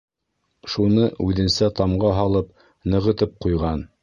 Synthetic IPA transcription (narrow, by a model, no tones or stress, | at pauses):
ʃunɤʉðɘ̆nsæt̪ɑmɢɑɦɑlˠɤp | nɤ̆ʁɤ̆t̪ɤp̚qujʁɑn